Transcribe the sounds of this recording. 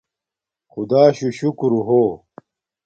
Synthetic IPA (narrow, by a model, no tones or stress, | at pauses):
xʊd̪aːɕuɕukɾuɦoː